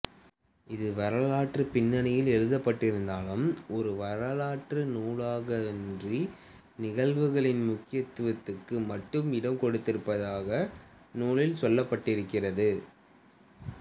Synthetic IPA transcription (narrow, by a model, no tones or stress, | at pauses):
ɪðɯʋɐɾɐlaːʈrɯpɪnːɐnɐjɪlɛɻɯðɐpːɐʈːɪɾɯnd̪aːlɯmʔɔɾɯʋɐɾɐlaːʈrɯnuːɻaːɣɐɛndri | nɪɣɐɭʋɯɣɐɭɪnmʊkːɪjɐt̪ːɯʋɐt̪ːɯkːɯmɐʈːɯmɪɽɐmkɔɽɯt̪ːɪɾɯpːɐðaːɣɐ | nuːɭɪlsɔlːɐpːɐʈːɪɾɯkːɪrɐðɯ